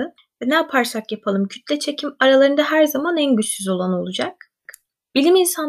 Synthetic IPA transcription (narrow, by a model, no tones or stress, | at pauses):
ɯ | vɛnɛapʰaɾsakjapʰalˠɯmcʰy̥t̪ʰlʲɛt͡ʃʰe̞cʰimaɾalˠaɾɯnd̪aɦæɾzamanænɟysyzo̞lˠano̞lˠud͡ʒak̚ | b̥ilʲiminsan